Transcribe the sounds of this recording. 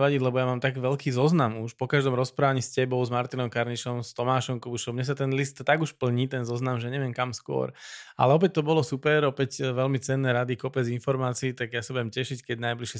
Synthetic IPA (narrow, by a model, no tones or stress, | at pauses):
ʋaɟiɟlɛbɔjamaːmt̪aɡʋɛlkiːzɔznamuʃpɔkaʒd̪ɔmɾɔspɾaːʋaɲiːscɛbɔʊzmaɾt̪inɔmkaɾɲiʃɔmst̪ɔmaːʃɔmkubuʃɔmɲɛs̬at̪ɛnlist̪t̪aɡuʃpl̩ɲit̪ɛnzɔznamʒɛɲɛʋɪɛnkamskʊɔ̰ɾa̰lɛɔp̬ɛc̚t̪ɔbɔlɔsupɛɾɔpɛcʋɛlmit͡sɛnːɛɾad̪ikɔpɛd͡zinfɔɾmaːt͡siːt̪aɡjasabujɛmcɛʃickɛɟnajbliʃɛ